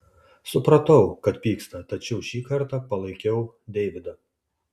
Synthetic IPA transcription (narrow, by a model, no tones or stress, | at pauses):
sʊpɾɐt̪ɐʊkɐt̪pʲiːkst̪ɐt̪ɐt͡ʃʲɛʊʃʲiːkɐɾt̪ɑpɐlˠɐɪkʲɛʊ | d̪ʲɛɪʋʲɪd̪ɐ